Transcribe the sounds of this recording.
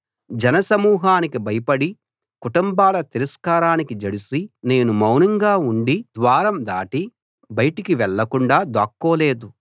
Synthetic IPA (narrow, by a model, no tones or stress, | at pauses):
d͡ʒɐnɐsɐmuːɦaːnikibɐjɐpɐɽi | kuʈumbaːlɐt̪iɾɐskaːɾaːnikid͡ʒɐɽusine̞ːnumɐwnɐŋɡaːuɳɖid̪ʋaːɾɐmd̪aːʈi | bɐjɐʈikiʋɛɭːɐkuɳɖaːd̪aːkːoːle̞ːd̪u